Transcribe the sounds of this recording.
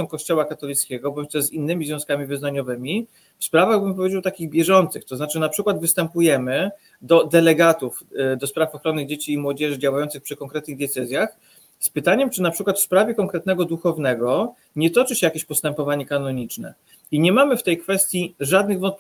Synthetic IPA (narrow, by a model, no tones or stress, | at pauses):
ɔ̃w̃kɔɕt͡ɕɔwakat̪ɔlʲit̪skʲɛɡɔbɔɲt͡ɕt̪ɛzinːɘmʲizvʲjɔ̃skamʲivɘznaɲɔvɘmʲi | fspɾavaɣbɘmpɔvʲjed͡ʑawt̪akʲiɣbʲjɛʐɔnt̪sɘxt̪ɔzat͡ʂɘnapʂɘkwad̪vɘst̪ɛmpujɛmɘ | d̪ɔd̪ɛlɛɡat̪ufd̪ɔspɾafɔxɾɔnɘd͡ʑet͡ɕiːmwɔd͡ʑɛʐɘd͡ʑawajɔnt̪sɘxpʂɘkɔŋkɾɛt̪nɘɣd̪ʲjɛt̪sɛzʲjax | spɘt̪aɲɛmt͡ʂɘnapʂɘkwat̪fspɾavʲjɛkɔŋkɾɛt̪̚nɛɡɔd̪uxɔvn̪ɛɡɔ | ɲɛt̪ɔt͡ʂɘɕɛjakʲeɕpɔst̪ɛmpɔvaɲɛkanɔɲit͡ʂnɛ̰ | iɲɛmamɘft̪ɛjkfɛst̪ʲjiʐad̪̚nɘɣvɔnt̪pʲ